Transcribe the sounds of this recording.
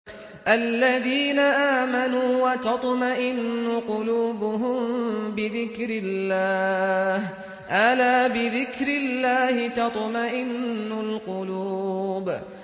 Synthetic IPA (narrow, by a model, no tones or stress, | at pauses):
ʔalːaðiːnaʔaːmanuːwɑt̪ɑt̪ˤmaʔɪnːʊqʊluːbʊɦʊmbɪðɪkɾɪlːaːh | ʔalaːbɪðɪkɾɪlːaːhɪt̪ɑt̪ˤmaʔɪnːʊlqʊluːb